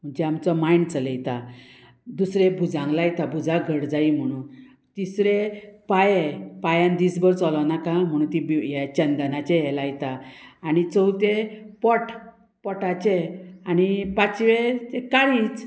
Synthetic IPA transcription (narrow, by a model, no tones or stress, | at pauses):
m̤əɳd͡ʑɛamt͡sɔmajnt͡sələjt̪a | d̪usɾebʱud͡zãŋɡlajt̪abud͡zaɡʱəɽd͡zaim̤əɽ̃ũːn | t̪isɾepajepajãnd̪iːsbəɾt͡sɔlɔʋnakam̤əɽ̃uːnt̪ibjat͡ɕənd̪ənat͡ɕeɦɛlajt̪aːñit͡səwt̪epɔʈʰ | pɔʈat͡ɕeañipat͡sʋeekaɭiːt͡s